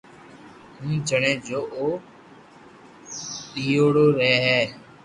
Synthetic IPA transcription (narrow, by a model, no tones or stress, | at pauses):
ɦũːd͡ʒʱəɳẽːd͡ʒoːʔoː | ɗiːoːɽoːɾɛːɦɛː